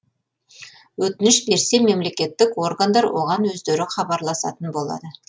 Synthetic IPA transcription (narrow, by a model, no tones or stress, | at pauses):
wɵt̪ɪnɪʃbe̞ɾse̞me̞mle̞kʲe̞t̪ːɪko̞rɡand̪ɑɾwʔo̞̰ʁɑnwɵzd̪e̞ɾɪχɑbɑɾlˠɑsɑ̰t̪ənbo̞lˠɑ̰d̪ə